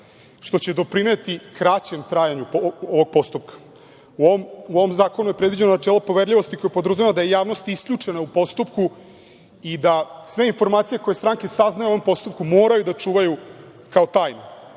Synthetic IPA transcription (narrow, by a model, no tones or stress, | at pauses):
ʃt̪ot͡ɕe̞d̪o̞pɾine̞t̪ikɾat͡ɕemt̪ɾaːjaɲupooʋo̞ɡ̚po̞st̪up̚kḁ | uoomuoʋomzaːko̞nujepɾed̪ʋid͡ʑenonaʈ͡ʂɛːlˠopo̞ʋeɾʎʲiʋo̞st̪iko̞jepod̪ɾ̩zujamad̪aje̞jaːʋno̞st̪isklʎʲut͡ʂe̞naupo̞st̪upku | id̪asʋe̞info̞ɾmaːt̪sije̞ko̞jest̪ɾaŋke̞saznajeʋompo̞st̪up̚kumo̞ːɾajud̪at͡ʂuːʋaju | kaot̪aːjno